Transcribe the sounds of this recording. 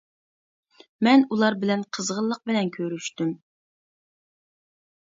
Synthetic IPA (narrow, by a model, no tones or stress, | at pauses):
mɛnulˠɑɾbɪlɛnqʰəzʁəlˠːəq̚bɪlɛnkʲʰøɾyʃt̪ym